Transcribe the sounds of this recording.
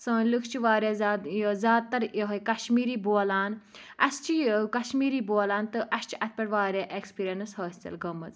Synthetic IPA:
sɐ̃ːnlɨkʰt͡ʃʰiʋaːɾʲjaːzːzʲjaːd̪̚t̪ɐɾeɦɐjkɐʃmiːɾiːboːlaːn | ɐst͡ʃʰikɐʃmiːɾiːboːlaːnt̪ɨʔɐʃt͡ʃʰi̥ʔɐt̪̚ʰpʲɐɽʋaːɾjaːʔekspiːɾjɐnɨshəːsʲt͡sɐ̰lɡɐmːɐz

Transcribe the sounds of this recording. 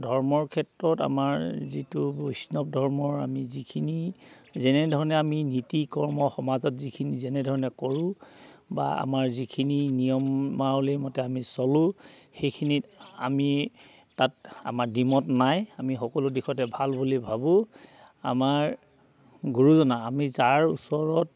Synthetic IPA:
dʱɔɹmɔɹkʰɛtɹɔta̰maɹzitubojsnɔp̚dʱɔɹmɔɹa̰mizikʰinizɛnɛdʱɔɹɔnɛaminitikɔɹmɔxɔmazɔtzikʰinizɛnɛdʱɔɹɔnɛkɔɹũ | ba̰a̰maɹzikʰininijɔmːaɹɔlimɔtɛamisɔlʊ̃xejkʰinia̰mi | tata̰maɹdimɔtnajamixɔkɔlʊdixʰɔtɛbʱalbulibʱabʊ̃ | a̰maɹ | ɡuɹuzɔnaamizaɹṵsɔɹɔt̚

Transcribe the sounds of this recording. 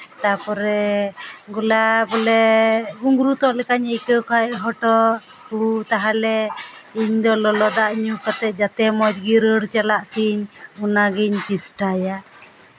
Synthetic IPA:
t̪apɔɾɛ | ɡulabɔlɛuŋɡɾut̪ɔʔlɛkaɲəkəwkʰajʔɦɔʈɔʔ | kut̪aɦalɛiɲd̪ɔlɔlɔd̪aʔɲukat̪ɛt̪̚d͡ʒat̪ɛmɔd͡ʒɡiɾəɽt͡ʃalaʔt̪ʰiɲunaɡiɲt͡ʃisʈaja

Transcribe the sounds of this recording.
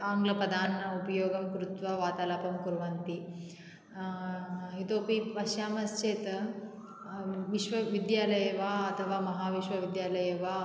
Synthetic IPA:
aːŋɡlɐpɐd̪ʱaːnnɐupɐjoːɡɐmkɾut̪ʋɐʋaːt̪aːlaːpɐmkuɾʋɐnt̪i | ɦit̪oːpiʋɐʃjaːmɐst͡ʃeːt̪ɐ | ʋiʃʋɐʋid̪jaːlɐjɐʋaːɐt̪ʰɐʋaːmɐɦaːʋiʃʋɐʋid̪jaːlɐjɐʋaː

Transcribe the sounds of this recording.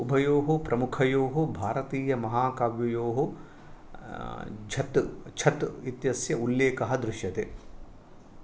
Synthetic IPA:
ubʱɐjoːɦupɾɐmukʰɐjoːɦubʱaːɾɐt̪iːjɐmɐɦaːkaːʋjɐjoːɦu | d͡ʒʰɐt̪t͡ʃʰɐt̪it̪jɐsjɐuljeːkɐɦɐd̪ɾuʃjɐt̪eː

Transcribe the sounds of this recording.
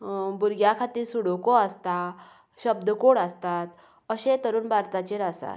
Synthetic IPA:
buɾɡjakʰat̪iːɾsuɽokoəst̪a | ɕəbd̪ʱəkoɽəst̪at̪ | əɕet̪əɾuːnbʱaɾt̪at͡ɕeɾasa̰t̪

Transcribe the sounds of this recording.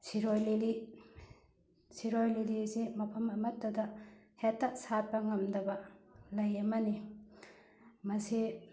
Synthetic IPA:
siɾojlili | siɾojlilisimɐpʰɐmɐmɐtːɐdɐhetːaʔsapɐŋɐmdɐbɐlɐjɐmɐni | mɐsi

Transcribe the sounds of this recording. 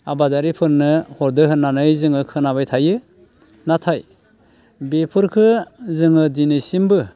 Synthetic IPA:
abadaɾipʰɯɾnɯhɔɾdɯɦɯnːanɯjzɯŋɯkʰɯnaβajtʰajɯ | natʰaj | bepʰɯɾkʰɯzɯŋɯdinɯsimbɯ

